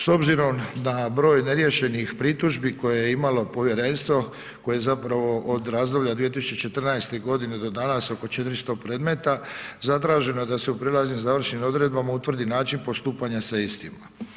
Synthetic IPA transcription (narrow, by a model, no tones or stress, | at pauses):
so̞bziɾo̞md̪abɾo̞ːjne̞ɾjeʃe̞nixpɾit̪uʒbiko̞jejeimalo̞po̞ʋje̞ɾe̞ːnst̪ʋo̞ | ko̞jejezapɾaʋo̞ʔod̪ɾaːzd̪o̞bʎad̪ʋije̞t̪isu̥t͡ɕet͡ʃe̞t̪r̩najst̪e̞ɡo̞d̪ine̞d̪o̞d̪anaso̞ko̞t͡ʃe̞t̪ɾist̪o̞pɾe̞ːd̪me̞t̪azat̪ɾaːʒe̞noed̪ase̞upɾilˠaznimzaʋr̩ʃnimo̞d̪ɾe̞d̪bamaut̪ʋr̩d̪inaːt͡ʃinpo̞st̪uːpaɲasaist̪ima